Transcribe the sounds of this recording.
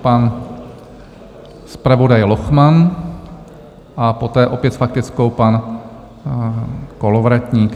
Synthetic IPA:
pan | spɾavo̞dajloxman | ʔapot̪ɛːʔopjɛt̪fak̚t̪ɪt͡skowpan | kolovɾacɲiːk

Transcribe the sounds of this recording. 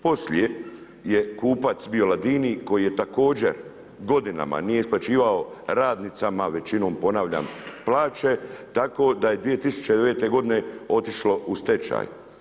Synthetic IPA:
po̞slie | jekuːpat̪sbio̞lad̪iːniko̞jije̞t̪ako̞ːd͡ʑe̞̰ɾ | ɡo̞d̪ina̰ma̰nije̞isplat͡ʃiːʋao̞ɾaːd̪nit̪samaʋe̞t͡ʃino̞ːmpo̞naʋʎa̰mplaːt͡ʃe̞t̪ako̞ːd̪aje̞d̪ʋije̞t̪isu̥t͡ʃed̪e̞ʋe̞ːt̪e̞ɡo̞d̪ine̞o̞t̪iʃlo̞ʔust̪e̞t͡ʃa̰ːj

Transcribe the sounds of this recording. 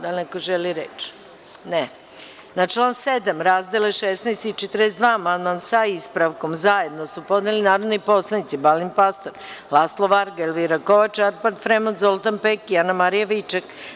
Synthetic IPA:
d̪anekoʒeliɾet͡ʃ | ne | nat͡ʃlˠaːnsed̪amɾaːzd̪eleʃesnajst̪it͡ʃɛt̪ɾesd̪ʋaːmand̪mansaispɾaʋko̞mzaje̞d̪nosupo̞d̪nelinaːɾod̪nipo̞slˠanit̪sibalimpast̪oɾlˠaslˠoʋaɾɡelʋiɾakoʋat͡ʃaɾpaɾd̪fɾemozolˠt̪anpekianamaɾijaʋit͡ʃak

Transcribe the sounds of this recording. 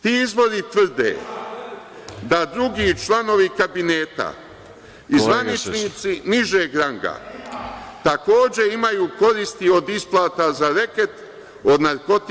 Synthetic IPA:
t̪iːizbo̞ɾit̪ʋr̩d̪ḛː | d̪ad̪ɾuɡiːt͡ʃlˠano̞ʋikabineːt̪a̰ | izʋanit͡ʃniːt̪siniʒeːɡɾaŋɡa̰ | t̪ako̞ːd͡ʑe̞imajuːko̞ɾist̪io̞d̪isplˠaːt̪azaɾeket̪ | o̞d̪naɾko̞t̪

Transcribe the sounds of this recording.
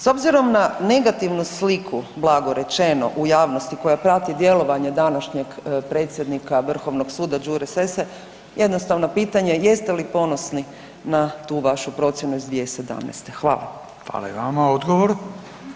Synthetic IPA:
so̞bziɾo̞mnane̞ɡat̪iʋnuslikʰublˠaɡo̞ɾe̞t͡ʃeno̞̰ʔujaːʋno̞st̪iko̞japɾat̪id̪je̞lo̞ʋaɲe̞d̪anaʃɲeɡpɾe̞ːt̪sje̞d̪nikaʋr̩xo̞ʋnoɡsuːd̪ad͡ʒuɾesese | je̞d̪nost̪aʋnopiːt̪aɲe̞je̞st̪elipo̞no̞sni | nat̪uːʋaʃupɾo̞t̪sjenuizd̪ʋiese̞d̪a̰mnḛst̪e̞xʋa̰ːla̰ | xʋa̰la̰iʋamaod̪ɡoʋoɾ

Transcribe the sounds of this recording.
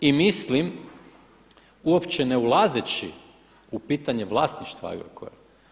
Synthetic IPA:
imislim | uopt͡ɕeneulˠazet͡ɕi | upiːt̪aɲeʋlˠast̪niʃt̪ʋa̰ɡɾ̰ko̰je

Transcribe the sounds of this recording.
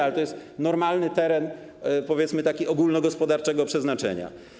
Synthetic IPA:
alɛt̪ɔjɛst̪nɔɾmalnɘt̪ɛɾɛn | pɔvʲjɛt̪smɘt̪akʲiɔɡulnɔɡɔspɔd̪aɾt͡ʂɛɡɔpʂɛznat͡ʂɛ̰ɲa̰

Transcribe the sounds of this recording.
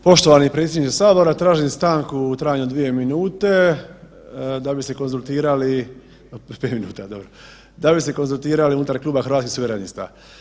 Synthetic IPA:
po̞ʃt̪o̞ʋanipɾet̪sʲjed̪it͡ʃ̪esaːbo̞ɾat̪ɾaːʒist̪aːŋkut̪ɾaːjaɲud̪ʋije̞minuːt̪e̞ | d̪abise̞ko̞nzulˠt̪iːɾali | peːt̪minṵːt̪ad̪o̞bɾo | d̪abise̞ko̞nzulˠt̪iːɾaliunut̪aɾklˠuːbaxɾʋat̪kisuʋeɾenist̪a̰

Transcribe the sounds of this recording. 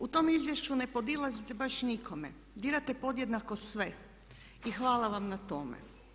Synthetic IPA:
ut̪o̞mizʋjeʃt͡ɕunepo̞d̪ilˠazit̪ebaʃnikʰo̞me | d̪iɾat̪epo̞d̪jed̪nakosʋe̞ | ixʋaːlaʋamnat̪omḛ

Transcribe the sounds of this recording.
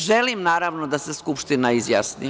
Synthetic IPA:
ʒelimnaːɾaʋnod̪aseskupʃt̪inaizjasnḭ

